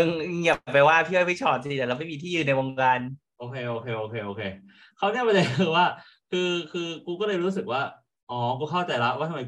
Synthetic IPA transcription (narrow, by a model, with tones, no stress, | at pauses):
ʔɯ˧ŋ˧ŋjaː˨˩pa˧jwaː˥˩p̪ʰiː˥˩a˥˩pʰi˥˩t͡ɕʰɔː˨˩t̪̚sʰi˧t̪ɛː˨˩la˧˩ma˥˩jmiː˧t̪ʰiː˥˩jɯː˨˧˩na˧jwoː˧ŋkaː˧n | ʔoː˧˩kʰeː˧ʔoː˧kʰeː˧ʔoː˧˩kʰeː˧ʔoː˧kʰeː˧ | kʰa˦˥wni˥˩ma˧la˧˩ɯː˧waː˥˩ | kʰɯː˧kʰɯː˧kuː˧kɔː˥˩lɤː˧jɾuː˦˥s̬ɯ˨˩k̚waː˥˩ | ʔɔː˨˩˦kuː˧kʰa˥˩wt͡ɕa˧jla˦˥ʔwaː˥˩˧ma˨˦